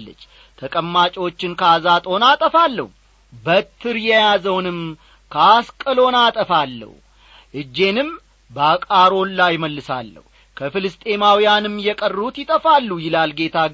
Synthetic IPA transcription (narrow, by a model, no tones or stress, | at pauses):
lːə̰t͡ʃː | t̪ʰəkʼəmːat͡ʃʼiwo̞t͡ʃːɪnkʰəazat̪ʼo̞nat̪ʼəfalːə̰hu | bət̪ʰːɨɾjɛjazəwnɨm | kʰaskʼəlo̞nat̪ʼəfalːə̰hu | ʔɨd͡ʒːe̞nɨm | bəakʼaɾo̞nlajməlːɨsa̰lːə̰hu | kʰəfɨlɨst̪ʼe̞mawijanɨmjɛkʼərːut̪jɪt̪ʼəfalːujɪlalɡe̞t̪ʰa